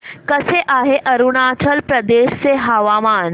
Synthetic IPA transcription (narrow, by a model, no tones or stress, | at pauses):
kəseʔaɦeʔəɾuɳat͡ɕʰəlpɾəd̪eɕt͡seɦaʋamaːn